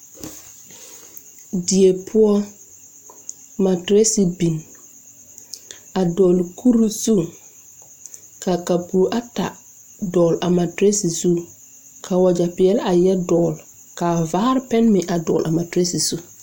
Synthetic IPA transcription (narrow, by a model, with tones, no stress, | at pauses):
di˨e˨pʰʊ˦ɔ˦ | ma˨tɾe˦si˨bi˨n | a˨dɔː˨lkʰu˦ɾu˦zu˦˨ | ka˨ka˨puː˨˦ʔa˦ta̰˨ | dɔː˨la˨ma˨tɾe˦si˨z̥u˦ | kʰa˨wa˨d͡ʒa˨pɪ˨ɛ˦la˨jɛ˦dɔː˨l | kaː˨vaː˦ɾpɛ˦nmɪ˨ʔa˨dɔː˨lʔa˨ma˨tɾe˦si˨z̥u˦